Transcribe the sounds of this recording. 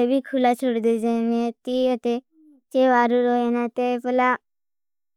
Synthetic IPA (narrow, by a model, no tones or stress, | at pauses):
ebʱikʰulat͡ʃʰoɽd̪ed͡ʒemet̪iət̪e | t͡ʃeʋaːɾuɾoenãt̪epəla